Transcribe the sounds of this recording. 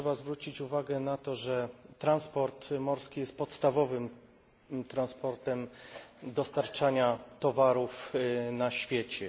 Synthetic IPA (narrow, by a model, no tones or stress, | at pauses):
ɛbazvɾut͡ɕit͡ɕuvaɡɛnat̪ɔʐɛt̪ɾanspɔɾt̪mɔɾskʲijɛst̪̚pɔt̪st̪avɔvɘm | t̪ɾanspɔɾt̪ɛmd̪ɔst̪aɾt͡ʂaɲat̪ɔvaɾufnaɕfʲjɛt͡ɕɛ